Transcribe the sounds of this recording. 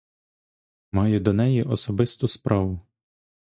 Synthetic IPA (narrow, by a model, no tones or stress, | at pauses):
mɑjʊd̪ɔnɛjiʔɔsɔbɪst̪ʊspɾʔɑʋʊ